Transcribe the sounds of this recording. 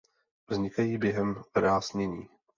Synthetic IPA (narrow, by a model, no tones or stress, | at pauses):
vzɲɪkajiːbjɛɦɛmvɾaːzɲɛɲiː